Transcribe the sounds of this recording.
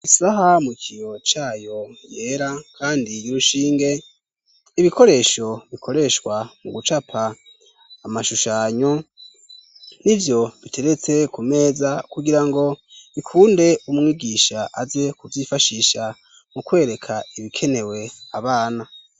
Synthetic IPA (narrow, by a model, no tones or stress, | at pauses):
isaɦamukʰijo̞t͡ʃaːjo̞je̞ːɾakʰaːndijiɾuʃiːŋɡe̞ | iβiko̞ɾe̞ːʃo̞βikʰo̞ɾe̞ʃkwamuɡut͡ʃapʰaː | maʃuʃaɲo̞ | nivjo̞βitʰe̞ɾe̞t͡se̞kume̞ːzakuɡiɾaŋɡo̞βikʰuːnde̞umŋiːɡiːʃaʔaze̞kuvjifaʃiʃa | mukwe̞ːɾe̞kʰaiβikʰe̞ne̞we̞aβaːna